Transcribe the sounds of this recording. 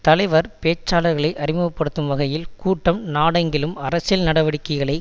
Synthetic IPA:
t̪ɐlɐɪʋɐɾpeːt͡ʃːaːlɐɾɣɐɭɐɪʔɐrɪmɐʋɐpːɐɽɯt̪ːɯmʋɐɣɐjɪlkuːʈːɐmnaːɽɐŋɡɪlɯmɐɾɐsɪlnɐɽɐʋɐɽɪkːɐɪɣɐɭɐɪ

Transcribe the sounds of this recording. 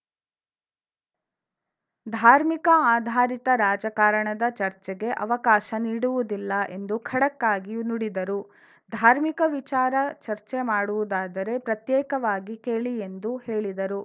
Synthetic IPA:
d̪ʱaːɾmikɐaːd̪ʱaːɾit̪ɐɾaːd͡ʒɐkaːɾɐɳɐd̪ɐt͡ʃɐɾt͡ʃɛɡe̞ʔɐ̰ʋɐkaːʃɐniːɽuʋud̪ilːɐʔe̞nd̪ukʰɐɽɐkːaːɡinuɽid̪ɐɾu | d̪ʱaːɾmikɐʋit͡ʃaːɾɐt͡ʃɐɾt͡ʃe̞maːɽuʋud̪aːd̪ɐɾe̞pɾɐt̪jɛːkɐʋaːɡike̞ːɭie̞nd̪uhe̞ːɭid̪ɐɾu

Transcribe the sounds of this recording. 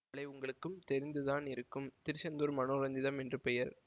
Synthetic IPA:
ɭɐɪʊŋɡɐɭɯkːɯmt̪ɛɾɪnd̪ɯðaːnɪɾɯkːɯmt̪ɪɾɯsɐnd̪uːɾmɐnoːɾɐɲd̪ɪðɐmɛndrɯpɛjɐɾ

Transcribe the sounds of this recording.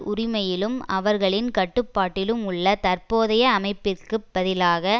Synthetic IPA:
ʊɾɪmɐjɪlɯmɐʋɐɾɣɐɭɪnkɐʈːɯpːaːʈːɪlɯmʊɭːɐt̪ɐrpoːðɐjɐːmɐɪpːɪrkɯbɐðɪlaːɣɐ

